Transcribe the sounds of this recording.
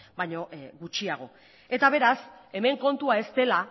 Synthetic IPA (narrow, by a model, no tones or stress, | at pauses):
bajɲo̞ɣut͡ʃiaɣ̞o̞̰ | e̞t̪aβ̞e̞ɾase̞me̞ŋko̞nt̪uae̞st̪e̞la